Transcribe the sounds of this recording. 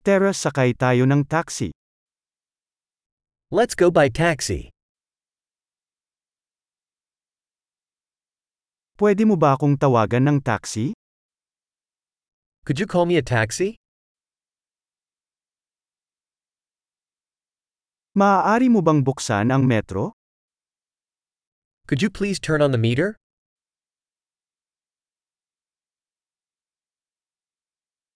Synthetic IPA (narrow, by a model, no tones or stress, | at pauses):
t̪ɛɹɐsɐkajt̪aːjo̞nɐŋt̪aksḭ | lɛtsɡ̥oʊbaɪtʰæksḭ | pwɛd̪ɪmobɐʔɐkoŋt̪ɐwaːɡɐnːɐŋt̪a̰ksi | kʰʊd͡ʒɨkʰɔlˠmiɨtʰæksi | mɐaːʔaːɾimobɐŋbʊksa̰nɐŋmɛt̪ɾo | kʰʊd͡ʒɨpʰl̥iːztʰɜ̃˞nə̃nðəmiɾə˞